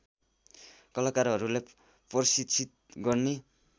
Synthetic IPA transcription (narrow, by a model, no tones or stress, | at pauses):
kʌlakaɾɦʌɾulej | pʌrsit̪t͡sʰit̪̚ɡʌrne